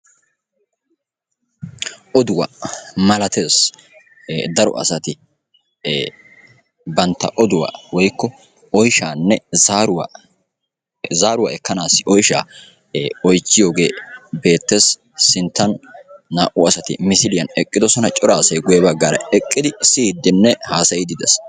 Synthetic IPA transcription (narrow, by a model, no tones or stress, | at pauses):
ʔɔd̪ʊwɐ̰mɐlɐt̪ʰe̞ːs | d̪ɐɾɔ̰ʔɐ̰sɐt̪ɪ | bɐnt̪ːɐ̰ʔɔd̪ʊwa̰ːwɔjkːɔ | ɔjʃaːnːɛzaːɾʊw | zaːɾʊwa̰ɛkːɐnaːsːɪʔɔjʃa̰ː | ɔjt͡ʃːɪjo̞ːɡe̞ːbe̞ːt̪ːe̞ːs | sɪnt̪ːɐnːaːʔʊɐsɐt̪ɪ̰mɪsɪlɪjɐnɛkʼːɪd̪ɔsɔnɐt͡ʃʼɔɾaːsɐjɡʊjɛbɐɡːaːɾɐ̰ɛkʼːɪd̪ɪsɪːd̪ːɪnːɛhaːsɐjɪd̪ɪd̪ɛ̰s